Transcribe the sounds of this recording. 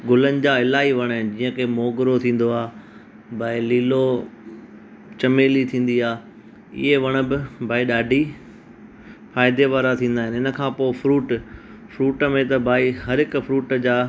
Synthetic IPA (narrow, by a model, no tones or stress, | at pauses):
ɡʊlənɪ̆d͡ʑaːɪlaːiʋɐɽ̃ɦɪnd͡ʑiːə̃kʰeːmoːɡɪɾot̪ʰĩːn̆d̪oaː | bʱaːiliːlo | t͡ɕɐmeːlit̪ʰĩːn̆d̪iaː | ɪ̰ɦeʋɐɽ̃ə̆bɪbʱaːiɗaːɖʱi | faːɪd̪eʋaːɾat̪ʰĩːnd̪aːɦɪnɪnə̆kʰãːpoːɪfɾuːʈ | fɾuːʈəmẽt̪ɐbʱaːiɦɐɾɦɪkʊfɾuːʈd͡ʑaː